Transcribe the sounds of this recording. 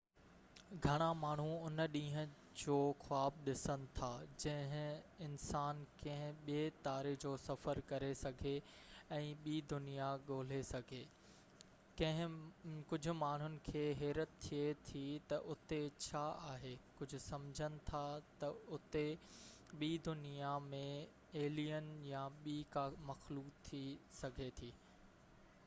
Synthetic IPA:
ɡʱɐɽ̃amaːɳ̤uʊnəɗĩːɦə̃ | d͡ʑoːxʊaːb̚ɗɪsənɪ̆t̪ʰaːd͡ʑɐ̃ɦɪ̃ɪnsaːnkɐ̃ɦɪ̃ɓieːt̪aːɾed͡ʑoːsɐfəɾkɐɾesɐɡʱe | ɛ̃ːɓiːd̪ʊnijaɠoːl̤esɐɡʱeː | kɐ̃ɦɪ̃kʊd͡ʑʱʊ̆maːɳ̤ʊnɪ̆kʰeːɦɛːɾət̪t̪ʰːiet̪ʰit̪ɐʔʊt̪et͡ɕʰaaːɦeːkʊd͡ʑʱʊ̆sɐmd͡ʑʱənɪ̆t̪ʰat̪ɐʊt̪eɓiːd̪ʊnijamẽ | eːlijənɪ̆jaɓiːkamɐxluːkt̪ʰisɐɡʱet̪ʰiː

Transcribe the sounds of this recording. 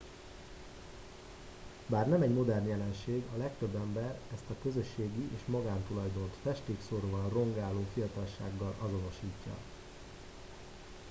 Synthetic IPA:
baːrnɛmɛɟmo̞d̪ɛrnjɛlɛnʃeːɡɒlɛk̚t̪ø̞bːɛmbɛrɛst̪ɒkø̞zø̞ʃːeːɡiʔeːʃmɒɡaːnt̪ulɒjd̪o̞nt̪fɛʃt̪eːksoɾoːvɒnro̞ŋɡaːlːoːfijɒt̪ɒlʃa̰ːɡːɒlɒzo̞no̞ʃiːcːɒ̰

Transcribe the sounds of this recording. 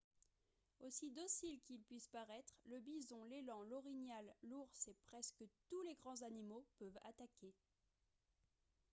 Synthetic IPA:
osid̪ɔsilkilpɥispaʁɛt̪χləbizɔ̃lelɑ̃lɔʁinjalːuʁsepχɛskət̪uleɡʁɑ̃zanimopœva̰t̪akʲe

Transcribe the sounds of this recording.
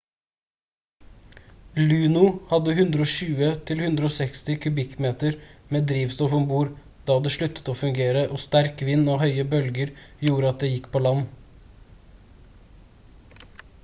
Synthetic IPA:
lʉːnʊhɑd̪əhʉnd̪ɾəoːʃʉːət̪ʰɪlhʉnd̪ɾəoːsɛkst̪ɪkʰʉbɪkːmeːt̪əɾmeːd̪ɾiːʋst̪ɔfɔmbuːɾ | d̪̥ɑːd̪ɛʃɭʉt̪ːə̥t̪oːfʉŋɡeːɾəʔɔst̪æɾkʋɪnːɑːhœʏəbœlɡəɾjuːɾəɑt̪̚d̪eːjɪkːpʰoːlɑn

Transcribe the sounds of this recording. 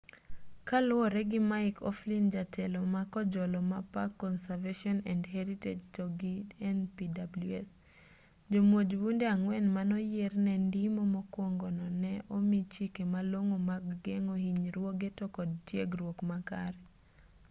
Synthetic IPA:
kalʊwɔɾɛɡɪmaɪkʰɔ̰flind͡ʒatʰɛlɔmakɔd͡ʒɔlɔmapakːɔnsaveʃɔnɛndhɛɾited͡ʒtɔɡidɛnpidabluɛs | d͡ʒomwod͡ʒwundeaŋwɛnmanɔjernɛndɪmomɔkwoŋɡonɔnɛʔomit͡ʃikemaloŋomaɡːeŋohiɲɾwoɡetɔkɔdtjeɡrwokmaka̰ɾɛ

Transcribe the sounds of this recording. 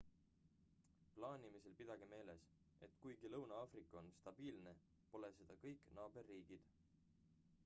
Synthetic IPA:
plɑːnʲimise̞lpid̪̥ɑɡ̥ime̞ːle̞s | e̞̰t̪ːˑkujɡ̥ilɤwnɑɑːfrikːˑo̞nst̪ɑb̥iːlne̞ | po̞le̞se̞d̪̥ɑkɤjkːˑnɑːbe̞rːiːɡ̥id̪̥

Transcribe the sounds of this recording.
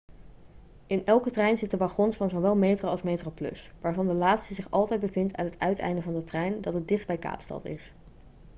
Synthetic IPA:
ɪnɛlˠkətrɛjnzɪtdəʋaχɔnsfɑnzowʋɛlˠmejtroɑlˠsmejtroplɵ̰sʋaːɹvɑndəlaːtstəzɪχɑlˠtɛjd̚bəvɪntʰa̰nɦətʰœɥtɛ̰jndəvɑndətrɛjndɑtət̚dɪχd̚bɛjka̰ːpstɑ̰tɪ̰s

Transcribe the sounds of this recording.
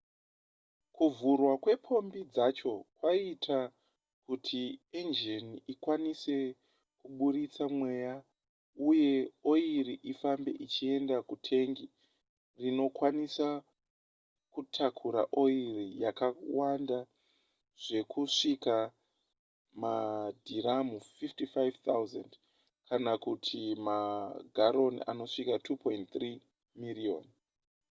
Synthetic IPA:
kuvurwakwe̞pʰo̞mbid͡zat͡ʃo̞kwaitʰa | kutʰiend͡ʒeniikwanise̞ | kuɓuɾit͡samwe̞ja | uje̞o̞iɾiʔifambe̞̰ʔit͡ʃie̞ndakutʰe̞ŋɡi | rino̞kwanisa | kutʰakʰuɾa̰ʔo̞irijakawanda | ʐ̥e̞kʰuʂika | madʱinamufiftifajvt̪ʰawuzend | kanakutʰimaɡʱaɾo̞nḭa̰no̞ʂikatʰupo̞intt̪ri | mirio̰n

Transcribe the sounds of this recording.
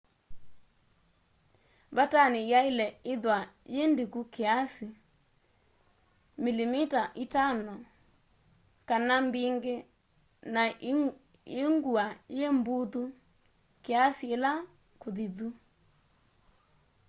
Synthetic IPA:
βatanɪjaɪlɛɪðwajendikukeasi | milimitaʔitanɔ | kanambiŋɡe | na | eŋɡuajembuðu | keasiela | koðiðu

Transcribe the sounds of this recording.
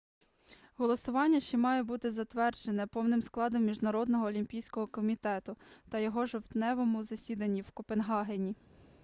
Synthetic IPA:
ɦɔlˠɔsʊʋɑnʲːɐʃt͡ʃimɑjɛbut̪ɪzɐt̪ʋɛrd͡ʒenɛpɔwnɪmsklˠɑd̪ɔmːʲiʒnɐɾɔd̪nɔɦɔːlʲimʲpʲijsʲkɔɦɔkɔmʲit̪ɛt̪ʊt̪ɐjɔɦɔʒewt̪nɛʋɔmʊzɐsʲid̪ɐnʲːiwkɔpenɦɑɦenʲi

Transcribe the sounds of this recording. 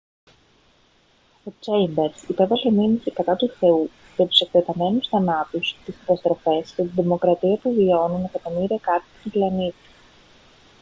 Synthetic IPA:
o̞t͡ʃejmbe̞ɾsipe̞vɐle̞minisikɐt̪ɐt̪uθe̞u | cet̪u̥se̞kt̪et̪ɐme̞nusθɐnɐt̪ust̪iskɐt̪ɐst̪ɾo̞fe̞scet̪inðimo̞kɾɐt̪iɐpuvio̞nune̞kɐt̪o̞miɾiɐkɐt̪it̪iplɐnit̪i̥

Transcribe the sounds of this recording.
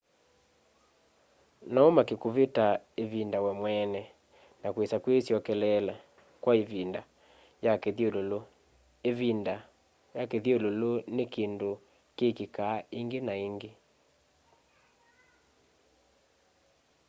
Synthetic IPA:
naomakekoβeta | evindawɛmwɛnɛ | nakwesakwesjɔkɛlɛla | kwaevinda | jakeðjololo | eβinda | jakeðjololonekendo | kekekaːeŋɡenaeŋɡe

